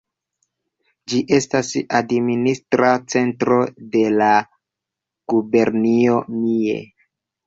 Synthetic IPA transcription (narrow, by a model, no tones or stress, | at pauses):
d͡ʒiʔe̞stasadministɾat͡se̞ntɾo̞de̞la | ɡ̥ube̞ɾnio̞miḛ